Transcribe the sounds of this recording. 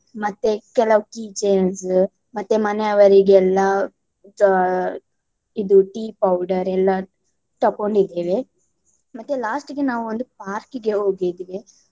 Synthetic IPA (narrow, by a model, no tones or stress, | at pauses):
mɐt̪ːekɛlɐʋukiːt͡ʃens | mɐt̪ːemɐneɐʋɐɾiɡɛlːɐ | id̪uʈiːpɐwɖɐɾɛlːɐ | ʈ̪ɐkːoɳɖid̪ːeːʋe | mɐt̪ːelaːsʈɡenaːʋuond̪upaːɾkɡeɦoːɡid̪iʋe